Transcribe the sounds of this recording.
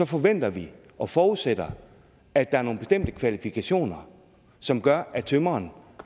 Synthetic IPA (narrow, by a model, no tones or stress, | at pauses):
sɒ̽fɒ̽ʋen̰d̥ɐʋi | ʔɒ̽fɒːuð̩ˠsed̥ɐ | æd̥ɑ̈æɐno̝ːnb̥e̝sd̥em̰d̥əkʰʋælifikʰæɕo̝̰ːnɐ | sɒ̽mɡ̥ɶɐʔæt͡sʰømɐːn